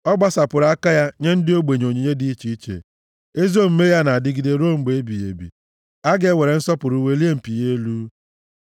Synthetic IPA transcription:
ɔ˦ɡ͡ba˦sa˨pʊ˨ɾa˦ka˦ja˦ɲe˦n̩˦dɪ˦o˦ɡ͡be˨ɲ˨o˨ɲe˨ɲe˦di˦i˦t͡ʃi˦i˦t͡ʃḛ˨ | e˦zo˦m̩˦me˦ja˦na˨a˨dɪ˦ɡi˨de˨ɾo˦˨ŋ͡m̩˦ɡ͡be˨e˦bi˨jḛ˨bḭ˨ | a˦ɡe˦we˨ɾe˨n̩˦sɔ˦pʊ˨ɾu˨we˦li˦e˦m̩˨pi˨je˦lu˦

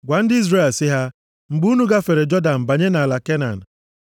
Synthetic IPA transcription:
ɡʷa˨n̩˦dɪ˦i˦zɾe˦˨lsɪ˦ɦa˦ | ŋ͡m̩˨ɡ͡bu˦nu˦ɡa˦fe˨ɾe˨d͡ʒɔ˦da˨m̩˨ba˨ɲe˦na˨la˨ke˦na̰˨n̩˨

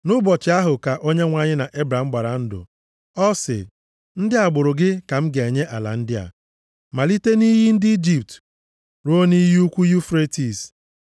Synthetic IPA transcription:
nʊ˦bɔ˨t͡ʃɪ˨˦a˦ɦʊ˨ka˨ʔo˦ɲe˦ŋʷa˦˨ɲɪ˦na˨ʔe˦bɾa˨ŋ͡m̩˦ɡ͡ba˨ɾa˨n̩˦dʊ̰˨ | ɔ˦sɪ̰˨ | n̩˦dɪ˦a˨ɡ͡bʊ˨ɾʊ˨ɡɪ˦ka˨m̩˦ɡe˨ɲe˦ʔa˨la̰˨n̩˦dɪ˦a̰˨ | ma˨li˦te˦ni˦ɦi˦n̩˦dɪ˦i˦d͡ʒi˨p̚t | ɾo˦ni˦ɦi˦u˦kʷu˦ju˦fɾe˦ti˨s

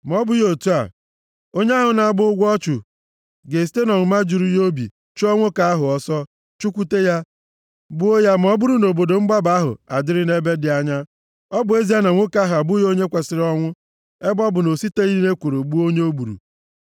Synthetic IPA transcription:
m˨ɔ˦bʊ˨jo˨tu˦a̰˨ | o˦ɲe˦a˦ɦʊ˨na˨bʊ˦ɡʷɔ˦t͡ʃu˨ | ɡe˨ste˦nɔ˨n̩˨ma˦d͡ʒu˨ɾu˦jo˦bḭ˨ | t͡ʃu˦ɔ˦ŋʷʊ˦ka˨a˦ɦʊ˨ɔ˦sɔ˦ | t͡ʃu˦kʷu˦te˦ja˦ | bʊ˦o˦ja˦m̩˨ɔ˦bu˦ɾu˦no˨bo˨do˨ŋ͡m̩˦ɡ͡ba˦ba˦ɦʊ̰˨a̰˨dɪ˦ɾɪ˦ne˦be˦dɪ˨a˦ɲa˦ | ɔ˦bʊ˨e˦zi˦a˦na˨ŋʷo˦ka˦ɦʊ˨a˨bʊ˦jo˦ɲe˦kʷa˨sɪ˨ɾɔ˦ŋʷʊ˦ | e˦bɔ˦bʊ˨no˨si˦te˦i˦i˦ne˦kʷu˨ɾu˨ɡ͡bu˦o˦ɲe˦o˦bu˨ɾṵ˨

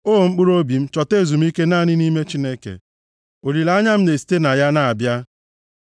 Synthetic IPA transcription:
o˦o˨ŋ͡m̩˦k͡pu˦ɾo˦bi˨m̩˦t͡ʃɔ˨te˦˨zu˨m̩˦i˦ke˦naː˦˨nɪ˦ni˦me˦t͡ʃi˦ne˦kḛ˨ | o˨ɾi˨la˦a˦ɲa˦m̩˦ne˨si̥˦te˦na˨ja˦na˨a˨bja˦

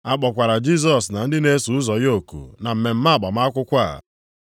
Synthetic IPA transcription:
a˦k͡pɔ˨kʷa˨ɾa˨d͡ʒi˦s̬ɔ˨sna˨n̩˦dɪ˦ne˦su˨ʊ˦zɔ˨jo˦˨kṵ˨na˨m̩˨me˨m̩˦ma˦a˨k͡pɔ˨m˦a˦kʷʊ˦kʷa˦˨

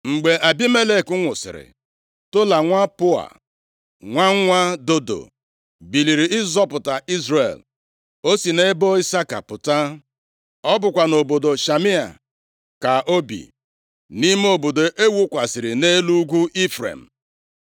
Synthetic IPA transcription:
ŋ͡m̩˨ɡ͡be˨ʔa˨bi˦me˦le˦˨kʊ˦ŋʷʊ˨sɪ̰˨ɾɪ̰˨ | tʊ˦la˨ŋʷa˦pʊ˦a̰˨ | ŋʷa˦ŋ˦ŋʷa˦do˦do̰˨ | bi˨li˨ɾi˨ɪ˦zɔ˦pʊ˨ta˨ʔi˦zrḛ˨l | o˦si˨ne˦bo˦i˦sa˦ka̰˨pʊ˨ta˦ | ɔ˦bʊ˨kʷa˨no˨bo˨do˨ʃa˨mi˦a̰˨ | ka˨ʔo˦bḭ˨ | ni˦m˦o˨bo˨do˨ʔe˦wu˦kʷa˨sɪ˨ɾɪ˨ne˦lu˦ɡʷu˦ʔi˦fɾḛ˨m̩˨

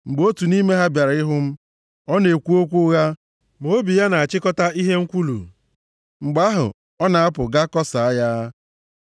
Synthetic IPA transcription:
ŋ͡m̩˨ɡ͡bo˦tu˨ni˦me˦ɦa˦bja˨ɾa˨˦ɪ˦ɦʊ˦m̩˦ | ɔ˦ne˨kʷu˦o˦kʷu˦ɣa˦ | mo˨˦bi˨ja˦na˨a˨t͡ʃɪ˦kɔ˦ta˦i˦ɦe˦ŋ̩˦kʷu˦lṵ˨ | ŋ͡m̩˨ɡ͡ba˦ɦʊ̰˨ | ɔ˦na˨a˦pʊ˨ɡa˦kɔ˦sa˨a˦ja˦

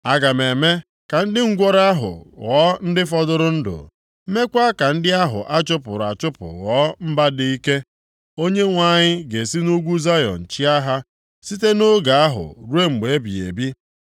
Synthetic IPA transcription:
a˦ɡa˨me˨me˦ | ka˨n̩˦dɪ˦ŋ̩˦ɡʷɔ˦ɾa˦ɦʊ̰˨ɣɔ˦n̩˦dɪ˦fɔ˦dʊ˦ɾʊ˦n̩˦dʊ̰˨˦ | me˦kʷa˦ka˨n̩˦dɪ˦a˦ɦʊ̰˨ʔa˦t͡ʃʊ˦pʊ˨ɾa̰˨t͡ʃʊ˦pʊ̰˨ɣɔ˦m̩˦ba˦di˦i˦ke˦ | o˦ɲe˦ŋʷa˦ɲɪ˦ɡe˨si˦nu˦ɡʷu˦za˦jɔ̰˨n̩˨t͡ʃi˦a˦ɦa˦ | si˦t̬e˦no˦ɡa˨a˦ɦʊ̰˨ɾu˦e˦ŋ͡m̩˨ɡ͡be˨e˦bi˨ḛ˨bi˦

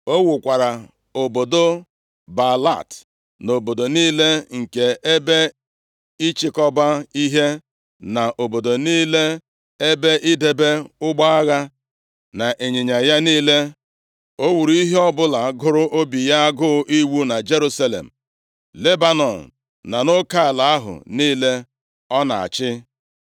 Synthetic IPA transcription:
o˦wu˨kʷa˨ɾa˨ | o˨bo˨do˦ | ba˨la̰˦˨t | no˨bo˨do˨niː˦le˦ŋ̩˨ke˨e˦be˦ | i˦t͡ʃɪ˦kɔ˦ba˦i˦ɦe˦ | na˨ʔo˨bo˨do˨niː˦le˦ | e˦be˦ʔi˦de˨be˦ʊ˦ɡ͡ba˦a˦ɣa˦ | na˨ʔe˨ɲɪ˨ɲa˨ja˦niː˦le˦ | o˦wu˨ɾu˨i˦ɦe˦ɔ˦bʊ˦la˨˦ɡʊ˦ɾʊ˦ʔo˦bi˨ja˦a˦ɡʊ˦ʔi˦wu˦na˨d͡ʒe˦ɾu˦sa˦lḛ˨m̩˨ | le˦ba˦nɔ˨n̩˨ | na˨no˦ka˦ɪ˨la˨a˦ɦʊ̰˨niː˦le˦ | ɔ˦na̰˨a̰˨t͡ʃɪ˦

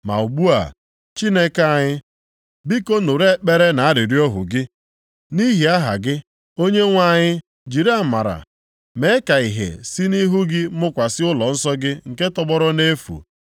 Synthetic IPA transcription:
ma̰˨u˨ɡ͡bu˦a̰˨ | t͡ʃi˦ne˦ka˦˨ɲɪ˦ | bi˦ko˦nu˨ɾe˦k͡pe˦ɾe˦na˨a˦ɾi˨ɾi˦ɔ˦ɦʊ̰˨ɡɪ˦ | ni˦ɦi˨a˦ɦa̰˨ɡɪ˦ | o˦ɲe˦ŋʷa˦˨ɲɪ˦ | d͡ʒi˨ɾa˦˨ma̰˨ɾa̰˨ | me˨˦ka˨i˨ɦḛ˨si˦ni˦ɦu˦ɡɪ˦mʊ˦kʷa˨sɪ˦ʊ˦lɔ˨n̩˦sɔ˦ɡɪ˦ŋ̩˨ke˦tɔ˦bɔ˦ɾɔ˦ne˦fṵ˨

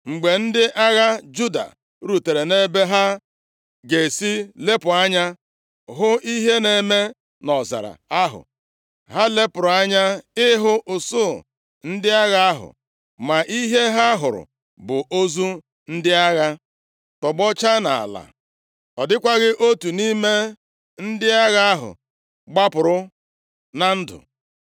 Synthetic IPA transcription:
ŋ͡m̩˨ɡ͡be˨n̩˦dɪ˦ʔa˦ɣa˦d͡ʒu˦da̰˨ | ɾu˨te˨ɾe˨ne˦be˦ɦa˦ | ɡe˨si˦le˦pʊ˨a˦ɲa˦ | ɦʊ˦i˦ɦe˦ne˨me˦ | nɔ˨za̰˨ɾa̰˨a˦ɦʊ̰˨ | ɦa˦le˦pʊ˨ɾʊ˨a˦ɲa˦ɪ˦ɦʊ˦ʔʊ˨sʊ˦˨ | n̩˦dɪ˦a˦ɣa˦a˦ɦʊ̰˨ | ma˨ʔi˦ɦe˦ɦa˦ɦʊ˨ɾʊ̰˨ | bʊ˨ʔo˦zu˦ | n̩˦dɪ˦a˦ɣa˦ | tɔ˨ɡ͡bɔ˦t͡ʃa˦na̰˨a̰˨la̰˨ | ɔ˨dɪ˦kʷa˦ɣɪ˦ʔo˦tu˨ni˦me˦ | n̩˦dɪ˦a˦ɣa˦a˦ɦʊ̰˨ | ɡ͡ba˦pʊ˨ɾʊ˦ | na˨n̩˦dʊ̰˨

